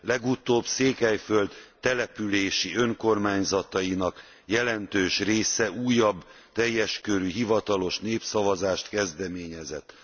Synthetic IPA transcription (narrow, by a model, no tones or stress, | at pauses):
lɛɡut̪oːbseːkɛjfø̞ld̪t̪ːɛlɛpyleːʃiø̞ŋko̞rmaːɲzɒt̪ɒjinɒk | jɛlɛnt̪øːʃreːsɛuːjːɒbː | t̪ɛjːɛʃkøɾyɦivɒt̪ɒlo̞ʃneːpsɒvɒzaːʃt̪kɛzd̪ɛmeːɲɛzɛt̪ː